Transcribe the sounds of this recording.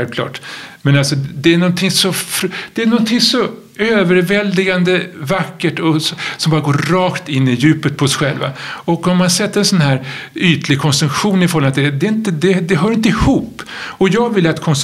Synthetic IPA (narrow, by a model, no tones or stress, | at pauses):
ɛlvkʰlɑ̰ːʈmɛnalsɔd̪ɛæɳɔnt̪ʰɪŋsɔfɾd̪̥ɛæɳɔnt̪ʰɪŋsɔ | øːvəɾvɛld̪ɪɡand̪əvakːəʈɔssɔmbɑːɾaɡoːɾːɑːkt̪ɪnːɪjʉ̟ːpət̪̚pʰɔɔsɧɛlva̰ɔkːɔmːansɛt̪ːəɾɛnsɔnhæːɾyːt̪lɪɡkʰɔnsɵŋkɧuːnɪfɔɾɔlmat̪̚d̪ɛd̪ɛɪnt̪əd̪ɛd̪ɛɦœːɾɪnt̪əɪhuːpːɔjɑːɡvɪlːat̪kʰɔns